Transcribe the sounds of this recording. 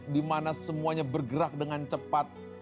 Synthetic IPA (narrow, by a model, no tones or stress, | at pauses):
dimanasəmuaɲabərɡəɾak̚dəŋant͡ʃəpat̪̚